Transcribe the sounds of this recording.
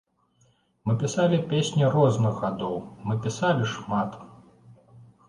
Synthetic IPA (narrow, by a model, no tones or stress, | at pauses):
mɨpʲisalʲipʲesʲnʲirɔznɨɣɣad̪ɔwmɨpʲisalʲiʂmat̪